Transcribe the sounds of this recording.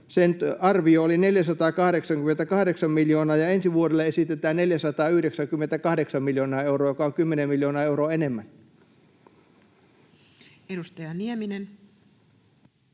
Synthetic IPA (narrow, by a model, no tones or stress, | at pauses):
senɑrʋioolineljæsɑt̪ɑːkɑhɾeksɑŋkymːent̪ækɑhdeksɑmmiljoːnɑːjɑensiʋuodelːˑɑesit̪et̪æːnneljæsɑt̪ɑːyhɾeksæŋkymːˑent̪ækɑhdeksɑmmiljoːnɑːeuroːjokɑoŋkymːenemiljoːnɑːeuroːenemːæn | edust̪ɑjɑnieminen